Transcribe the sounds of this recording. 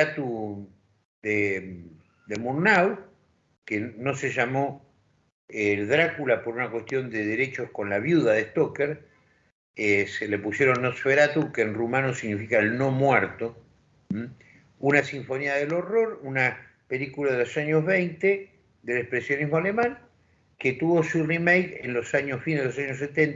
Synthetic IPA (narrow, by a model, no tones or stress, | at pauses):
at̪u | d̪e | d̪emuɾnaw | keno̞seʒamo̞ | eðɾakulapo̞ɾunakwest̪jo̞nd̪eðeɾe̞t͡ʃo̞hko̞nlaβjuðaðest̪okeɾ | eselepusje̞ɾonːosfeɾat̪ukenrumanosiɣnifikaelno̞mwɛɾt̪o | unasiɱfo̞niaðelo̞ro̞ɾuna | pelikulaðelo̞saɲozβejnt̪e | d̪elehpɾesjo̞niɦmoalemãŋ | ket̪uβo̞surimejkenlo̞saɲosβineðelosaɲos̬et̪ent̪